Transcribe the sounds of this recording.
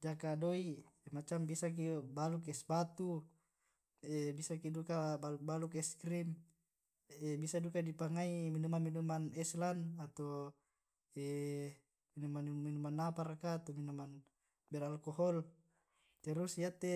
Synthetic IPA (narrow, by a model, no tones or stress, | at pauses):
d͡ʒakadoimat͡ʃambisak̬ibaluk̬ɛsbat̪u | ɛbisakidukabaluk̚balukɛskɾim | ɛbisadukadipaŋaiminumanminumanɛslanat̪o | ɛ | minumanminumanːapaɾakaːt̪ominuman | bɛɾalkoɦɔl | t̪ɛɾusjat̪ːe